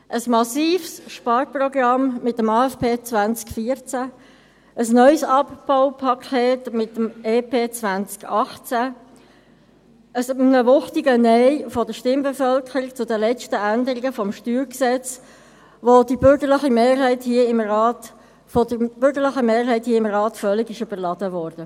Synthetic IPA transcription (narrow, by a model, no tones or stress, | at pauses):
ʔəsmɑsiːfsʃpɑːɾprɔɡrɑmmɪtːəmɑːɛfpʰeːt͡svant͡skfiɾt͡sæ | ʔəsnœʏsɑpb̥aʊpʰɑkʰɛːtmɪtːəmeːpʰeːt͡svant͡skɑχt͡sæ | əsnəvʊχtɪɡənɛɪfɔdəʃtɪmbɛfœlkʰəɾikt͡sʊdəlɛt͡ʃtəændəɾɪɡəfɔmʃtyːɾksɛt͡s | ʋod̥ibʏɾɡəɾlɪχimeːɾɦɛɪthiəɪmrɑːt | fodəb̥ʏɾɡəɾlɪχəmeːɾɦæɪthiːəɪmʁɑːtfœlɪɡɪʃøb̥əɾlɑd̥əvɔːɾd̥ə